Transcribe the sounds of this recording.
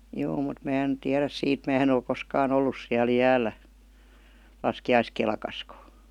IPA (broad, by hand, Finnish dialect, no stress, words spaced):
juː mut mæː en tiæræs siːt mæː en ol koskɑːn olːus siæl jæːlˑæ lɑskiɑiskelkɑskə